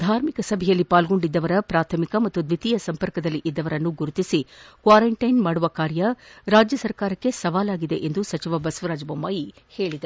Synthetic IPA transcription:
d̪ʱaːɾmikɐsɐbʱɛjɐlːipaːlɡo̞ɳɖid̪ːɐʋɐɾɐpɾaːt̪ʰɐmikɐmɐt̪ːud̪ʋit̪ijɐsɐmpɐɾkɐd̪ɐlːiʔid̪ːɐʋɐɾɐnːuɡuɾut̪isikʋaːɾɐɳʈɐjnmaːɽuʋɐkaːɾjɐɾaːd͡ʒjɐsɐɾkaːɾɐkːe̞sɐʋaːlaːɡid̪e̞̰ʔend̪usɐt͡ʃiʋɐbɐsʋɐɾaːd͡ʒbɐmːaːji | he̞ːɭid̪ɐ

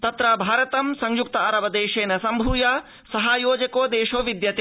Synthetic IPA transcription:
t̪ɐt̪ɾɐbʱaːɾɐt̪ɐmsɐŋjuk̚t̪ɐaːɾɐʋɐd̪eːʃeːnɐsɐmbʱuːjaː | sɐɦaːjoːd͡ʒɐkoːd̪eːʃoːʋid̪jɐt̪e

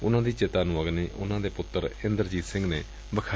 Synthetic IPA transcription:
ʊnãːd̪iːt͡ʃɪt̪aːnʊəɡneːʔʊ̰nãːd̪eːpʊt̪ːəɾɪnd̪əɾd͡ʒiːt̪sɪ̃ŋɡneː | bəkʰa

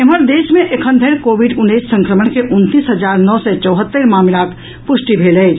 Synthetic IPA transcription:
eməɾd̪esmẽʔekʰənd̪ʱəɾkobiɖunːəjsːə̃ŋkɾəməɳkeʔunt̪iːsɦəd͡ʒaːɾnɔsɛt͡ʃəʊɦət̪ːəɾmamilak | pʊʃʈibʱeləɪt͡ʃʰ

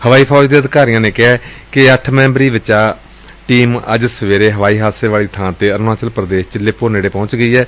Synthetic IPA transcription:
həʋaːiːpʰɔːd͡ʒd̪eːəd̪kaːɾijãːnẽːkɪɛːkɪəʈʰmɛ̃ːmbɾiːʋɪt͡ʃaː | ʈiːmə̰d͡ʒsəʋeːɾeːɦəʋaːiːɦaːseːʋaːliːt̪ʰãːt̪eːəɾʋaːt͡ʃəlpɾəd̪eːʃt͡ʃəleːpoːneːɽeːpɔ̃ːt͡ʃɡəiːɛː

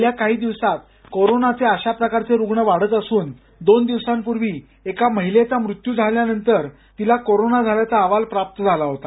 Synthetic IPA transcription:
ljakaɦiːd̪iʋsat̪ | koɾonat͡seəɕapɾəkaɾt͡seɾuɡɳəʋaɽ̤ət̪əsuːn | d̪ond̪iʋsampuɾʋiː | ekaməɦilet͡samɾut̪jud͡zʱaljanənt̪əɾ | t̪ilakoɾonad͡zʱaljat͡saːʋalpɾap̚t̪əd͡zʱalaɦot̪a

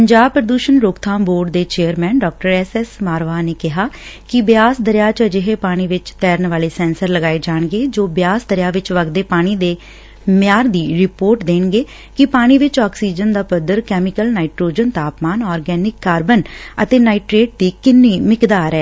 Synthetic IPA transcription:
ppəɲd͡ʒaːb̚pɾəd̪uːʃənɾʊːkt̪ʰãːmboːɾɖd̪eːt͡ʃeːəɾmɛ̃ːnɖɔːk̚ʈəɾɛsɛsmaːɾʋaːneːkɪɦaːkɪbɪjaːsd̪əɾjaːt͡ʃəd͡ʒɪɦeːpaːɽ̃iːʋɪt͡ʃt̪ɛːɾnʋaːleːsɛ̃ːnsəɾləɡaːed͡ʒaːɳɡeːd͡ʒoːbjaːsd̪əɾɪjaːʋɪt͡ʃʋəɡd̪eːpaːɽ̃iːd̪eː | mɪjaːɾd̪iːɾɪpoːɾʈd̪eːnɡeː | kɪpaːɽ̃iːʋɪt͡ʃɔːksiːd͡ʒənd̪aːpəd̪əɾkɛːmɪkəlnaːiʈɾoːd͡ʒənt̪aːpmaːnɔːɾɡɛːnɪkːaːɾbənə̰t̪eːnaːiʈɾeːʈ̚d̪iːkɪnːiːmɪkd̪aːɾɛː

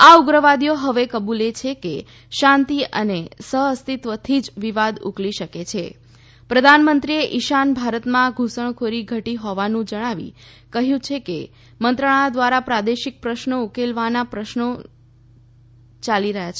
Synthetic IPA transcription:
auɡɾəʋad̪joɦəʋekəbulet͡ʃʰeke | ʃãnt̪iə̰nesəɦəst̪it̪ʋət̪ʰid͡ʒʋiʋad̪ṵkliʃəket͡ʃʰḛ | pɾəd̪ʱanmənt̪ɾieʔiʃanbʱaɾət̪mãɡʱusəɳ̃kʰoɾiɡʱəʈiɦɔʋanũd͡ʒəɽ̃aʋḭ | kəɦjũt͡ʃʰeke | mənt̪ɾəɭ̃ad̪ʋaɾapɾad̪eʃik̚pɾəʃnoukelʋanapɾəʃno | t͡ʃaliɾəɦjat͡ʃʰe

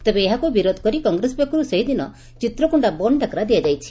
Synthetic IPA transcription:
t̪ebeːɦakubiɾod̪ʱɔ̥kɔɾikɔŋɡɾesbjekɔɾuseɦid̪inɔ̰ | t͡ʃit̪ɾɔkuɳɖabɔɳɖakɾad̪ijad͡ʒajt͡ʃʰi̥

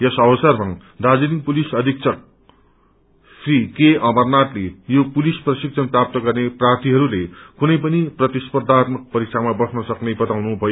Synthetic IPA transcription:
jʌsʌwʌsʌrma | d̪ad͡ziniŋpulisʌd̪ʱik̚t͡sʰʌk̚ | srikeʌmʌrnat̪lejopulisprʌsiksʰʌnprap̚t̪ʌɡʌrneprart̪iɦʌɾulekunʌjpʌniprʌt̪ispʌrd̪ʱat̪mʌk̚pʌɾik̚t͡ʃʰamabʌsnʌsʌknebʌt̪awnubʱʌjo

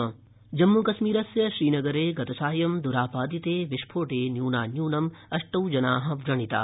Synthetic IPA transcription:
d͡ʒɐmːukɐʃmiːɾɐsjɐʃɾiːnɐɡɐɾeːɡɐt̪ɐsaːjɐmd̪uɾaːpaːd̪it̪eːʋiʃpʰoːʈeːnjuːnaːnjuːnɐmɐʂʈɐwd͡ʒɐnaːɦɐ̆ʋɾɐɳit̪a̰ː

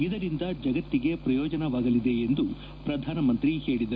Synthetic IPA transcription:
id̪ɐɾind̪ɐd͡ʒɐɡɐt̪ːiɡe̞pɾɐjɔːd͡ʒɐnɐʋaːɡɐlid̪e̞end̪u | pɾɐd̪ʱaːnɐmɐnt̪ɾihe̞ːɭid̪ɐɾ

